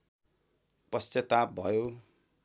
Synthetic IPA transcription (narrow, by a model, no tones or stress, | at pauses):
pʌsjʌt̪ap̚bʱʌjo